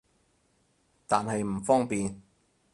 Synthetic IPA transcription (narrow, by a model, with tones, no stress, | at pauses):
t̪aː˨nhɐ˨jm̩˨˩fɔː˥ŋpiː˨n